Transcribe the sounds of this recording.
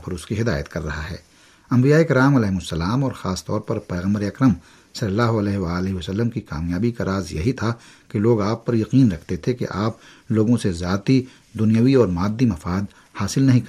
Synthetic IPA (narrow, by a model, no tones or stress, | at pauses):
pɐɾʊskiɦɪd̪a̰ːjə̰t̪kɐɾːɐɦaɦɛ̰ː | ɐ̃mbijaːekɪɾaːmɐlɛːɦɪmʊsːɐlaːmɔːɾxaːst̪ɔːɾpɐɾpɛːɣə̃mbəɾeɐkɾəm | sɐləlaːɦoɐlɛːɦʋaːlɪɦiʋɐsəlːəmkika̰ːmjaːbikaɾʔaːzjɐ̰ɦit̪ʰa | keloːɡaːpːɐɾjɐqiːnɾɐkʰt̪et̪ʰekḛʔaːp̚ | loːɡõsezaːt̪i | d̪ʊnijaʋiɔːɾmaːd̪ːimɐfaːd̪ | haːsɪlnɐɦĩk